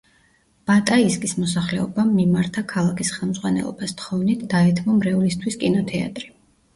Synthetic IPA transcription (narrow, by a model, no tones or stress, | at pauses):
b̥at̪ʼaiskʼismɔsaχlɛɔbamːimaɾt̪ʰakʰalˠakʰisχɛlˠmzʁwanɛ̰lˠɔ̰bast̪χɔvnit̪ʰd̪aɛt̪ʰmɔmɾɛulist̪ʰwiskʼinɔt̪ʰɛa̰t̪ʼɾi